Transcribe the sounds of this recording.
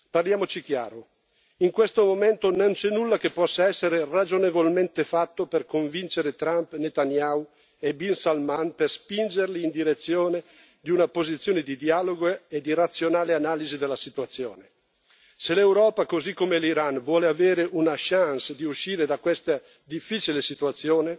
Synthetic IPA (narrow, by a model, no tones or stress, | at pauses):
parljaːmot͡ʃik̟ja̰ːɾo | iŋkwest̪omoment̪onont͡ʃɛnːulːakepːɔsːaɛsːeɾerad͡ʒonevolment̪efat̪ːoperkoɱvint͡ʃeɾet̪ɾampnet̪anjaw | ebinsalmanperspind͡ʒerliːnd̪iɾet̪sːjoːne | d̪iunapozit̪sjoːned̪id̪iaːloɡoed̪iɾat̪sːjonaːleanaːlizid̪elːasit̪uat̪sːjoːne | selewɾɔːpakozikːomeliɾanvwɔːleaveːɾeʔunaʃansd̪iuʃːiːɾed̪akwest̪a | d̪ifːiːt͡ʃilesit̪uat̪sːjoːne